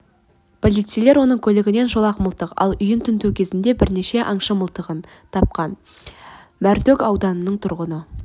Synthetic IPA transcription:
pʰo̞lˠijt̪sijle̞ɾwo̞nəɴkʲʰɵlɪɡʲɪne̞nʒo̞lˠɑqməlˠt̪əqɑ̰lˠʏjɪnt̪ʰʏnt̪ukʲʰe̞zɪnd̪e̞bɪɾne̞ʃe̞ʔɑɴʃɑməlˠt̪əʁən | t̪ʰɑp̚qɑn | mæɾt̪ɵkɑwd̪ɑnənːəɴt̪ʰʊɾʁənə

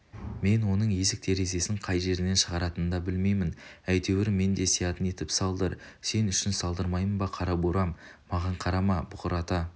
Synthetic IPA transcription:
me̞nwo̞nəɴje̞zɪk̚t̪ʰe̞ɾe̞ze̞sɪɴqʰɑjʒe̞ɾɪne̞nʃəʁɑɾɑt̪ənnd̪ɑbɪlme̞jmɪnæjt̪e̞wɪɾɪme̞nd̪e̞sijɑt̪əne̞t̪ɪpsɑlˠd̪əɾ | se̞nʏʃɪnsɑlˠd̪əɾmɑjmənbɑqʰɑɾɑbuɾɑmː | ɑʁɑɴqʰɑɾɑmɑbʊqəɾɑt̪ɑ

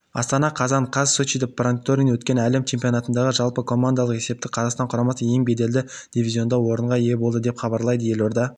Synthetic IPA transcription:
ɑst̪ɑnɑqʰɑzɑɴqʰɑzsot͡ʃid̪eproŋt̪oɾinwɵt̪kʲe̞nælemt͡ʃʰe̞mpʲijo̞nɑt̪ənd̪ɑʁəʒɑlˠpəkʰo̞mand̪ɑlˠəqese̞p̚t̪ɪqʰɑzɑqst̪ɑɴqʰʊɾɑmɑsəje̞ŋbe̞d̪e̞ld̪ɪd̪̥ivʲizʲio̞nd̪ɑwo̞ɾəɴʁɑje̞bo̞lˠd̪əd̪epχɑbɑɾlˠɑjd̪əje̞lo̞ɾd̪ɑ

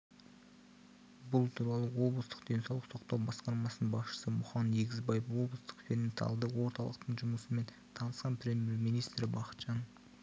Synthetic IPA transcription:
bʊlˠt̪ʰuɾɑlˠəwo̞blˠəst̪ə̥qd̪e̞nsɑwlˠəqso̞qt̪ɑwbɑsqɑɾmɑsənənbɑsʃə̥səmʊχɑnjeɡʲɪzbɑjefwo̞blˠəst̪ə̥qfʲenent̪ʰɑ̰lˠd̪əwo̞ɾt̪ɑlˠəq̚t̪əɴʒʊməsəme̞n | t̪ʰɑnəsqɑnpʰɾʲe̞mje̞ɾminijst̪ɾɪbɑqə̥t̪ʒɑn

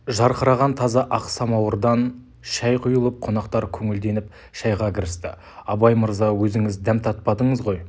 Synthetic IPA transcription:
ʒɑɾqʰəɾɑʁɑnt̪ʰɑzɑʔɑqsɑmɑwəɾd̪ɑn | ʃɑjqʰʊjəlˠəp̚qʰo̞nɑqt̪ɑɾkʲʰɵŋɪld̪e̞nɪp̚ | ʃɑjʁɑkʲʰɪɾɪst̪ɪ̰ | ɑbɑjməɾzɑwɵzɪŋɪzd̪æmt̪ʰɑt̪̚pɑd̪əɴəzʁo̞j

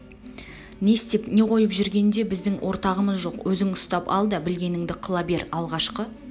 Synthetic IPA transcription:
ne̞st̪e̞pne̞qʰo̞jəpʒʏɾɡʲe̞nd̪e̞bɪzd̪ɪŋwʔo̞ɾt̪ɑʁəməzʒo̞qwɵzɪŋʊst̪ɑpɑ̰lˠd̪əbɪlɡʲe̞nɪŋd̪ɪqʰəlˠɑbe̞ɾɑlˠʁɑʃqə

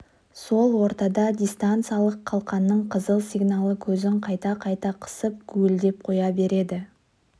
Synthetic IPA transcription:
so̞lˠwo̞ɾt̪ɑd̪ɑd̪ʲijst̪ant̪sɨjalˠəqʰːɑlˠqɑnːəɴqʰəzəlˠsʲiɡnalˠəkʲʰɵzɪŋqʰɑjt̪ɑqʰɑjt̪ɑqʰə̥səp̚kʲʰʉɪld̪e̞p̚qʰo̞jɑbe̞ɾe̞d̪ɪ

